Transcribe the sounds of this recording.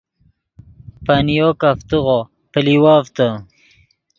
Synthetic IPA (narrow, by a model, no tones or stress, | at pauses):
panijokaft̪uʁo | pəliwaːvt̪ə